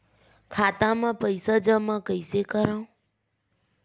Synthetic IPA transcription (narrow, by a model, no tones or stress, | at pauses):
kʰaːt̪ãmãːpəɪsad͡ʒəmãːkəɪsekəɾãːũ